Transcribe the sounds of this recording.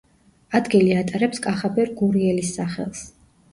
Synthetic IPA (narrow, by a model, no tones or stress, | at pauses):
ad̪ɡiliat̪ʼaɾɛpskʼaχabɛɾɡuɾiɛlisːaχɛ̰lˠs